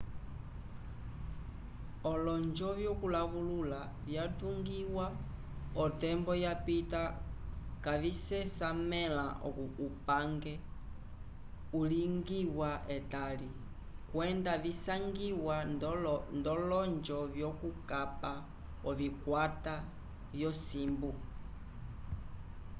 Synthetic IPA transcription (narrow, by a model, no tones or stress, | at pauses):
ɔlɔnd͡ʒɔvjɔkulaβulula | vjatuŋɡiwa | ɔtɛmbɔjapita | kavisɛsamɛlaʔɔupaŋɡɛ | uliŋɡiwaɛtali | kwɛndavisaŋɡiwa | ndɔlɔnd͡ʒɔvjɔkukapa | ɔvikwata | vjɔsimbu